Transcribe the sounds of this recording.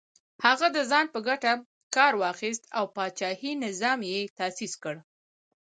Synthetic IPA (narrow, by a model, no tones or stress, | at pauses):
haɣad̪əzɑnpəɡaʈa | kɑɾwɑxis̬t̪awpɑt͡ʃɑhinɪzɑmjet̪asiskəɽ